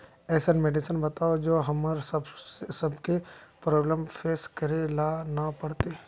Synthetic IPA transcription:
ɛːsənmeɖɪsənbɐt̪aːod͡ʒoːɦɐməɾsbsɐbkepɾɔːbləmfeːskɐɾelaːnapɐɽ̤t̪e

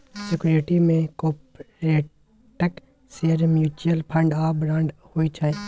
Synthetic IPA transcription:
sɪkʊɾeʈimẽkoːpɾeː | ʈək | seːəɾmjuːt͡ʃuəlpʰə̃ɳɖaːbɾãːɳɖhoːit͡ʃʰaːe

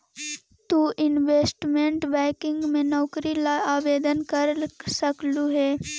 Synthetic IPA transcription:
t̪uʔɪnʋeːsʈmẽɳʈbɛ̃ːkɪ̃ŋɡmẽnɔːkɾilaːʋeːd̪ənkəɾsəkluɦɛː

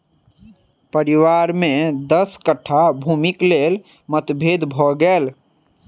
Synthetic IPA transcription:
pəɾiʋaɾmed̪əskəʈʰabʱumiklel | mət̪bʱed̪bʱɔɡel

